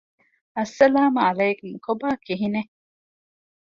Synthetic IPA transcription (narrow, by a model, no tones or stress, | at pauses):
ɐsːɐlaːmɐlɐjkumkobaːkiɦine